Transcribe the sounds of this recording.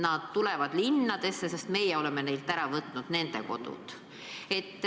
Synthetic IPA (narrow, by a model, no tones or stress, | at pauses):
nɑd̪̥t̪ulɛ̞vɑd̪̥linːɑd̪̥e̞sːese̞st̪me̞jɛo̞leme̞ne̞jlt̪æɾɑvɤt̪ːˑnud̪̥ne̞nd̪̥e̞̰ko̞̰d̪̥ṵt̪ | e̞t̪ː